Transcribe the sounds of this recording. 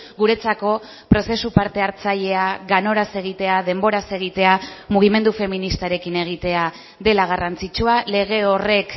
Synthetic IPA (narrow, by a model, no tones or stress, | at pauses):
ɡuɾe̞t͡sako̞ | pɾo̞se̞supaɾt̪e̞aɾt͡saʎe̞aɣano̞ɾase̞ɣ̞it̪e̞aðe̞mbo̞ɾase̞ɣ̞it̪e̞amuɣ̞ime̞nd̪ufe̞minist̪aɾe̞kine̞ɣ̞it̪e̞a | ðe̞laɣ̞arant͡sit͡ʃuale̞ɣ̞e̞o̞re̞k